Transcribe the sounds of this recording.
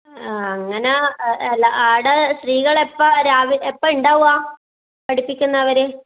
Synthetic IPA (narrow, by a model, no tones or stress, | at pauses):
ɐŋːɐneelaaːɽesriːɣɐɭepːoɾaːʋiepːɐuɳɖaːʋuaː | pɐɽipːikʲːunːɐɐʋɐɾe